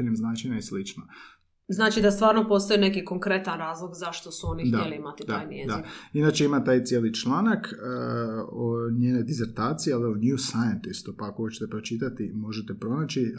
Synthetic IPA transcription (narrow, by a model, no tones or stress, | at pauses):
nemznaːt͡ʃinaislit͡ʃno | znaːt͡ʃid̪ast̪ʋaːɾnopo̞st̪ojine̞kikoŋkɾe̞t̪anɾaːzlˠoɡzaʃt̪o̞suo̞nidt̪aeliimat̪it̪d̪a̰ːjmjed̪ainat͡ʃe̞imat̪aːjt̪sʲjeːlit͡ʃlˠaːnakː | oɲeːned̪ize̞ɾt̪aːt̪sijealioniusajent̪ist̪upakoot͡ʃe̥t̪epɾo̞t͡ʃit̪at̪imo̞ʒe̞t̪e̞pɾo̞naːt͡ɕi